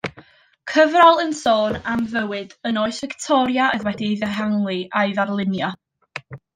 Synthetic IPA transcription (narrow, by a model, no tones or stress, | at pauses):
kʰəvralˠənsoːnamvəwɨdənoːɨsvɪktʰɔɾjaəðwɛdiðɛɦaŋlˠɨaɨðarlˠɪnjɔ